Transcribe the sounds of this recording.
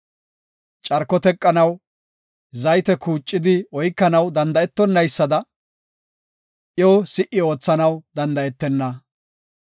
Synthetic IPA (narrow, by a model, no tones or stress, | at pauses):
t͡ʃʼɐɾkːɔt̪ɛkʼːɐnɐw | zɐjt̪ɛkuːt͡ʃʼːɪd̪ɪɔjkːɐnɐwd̪ɐnd̪ɐɛt̪ːɔnːɐjsːɐd̪ɐ | ʔjoːsɪʔɪo̞ːt͡sːɐnɐwd̪ɐnd̪ɐɛt̪ːɛnːɐ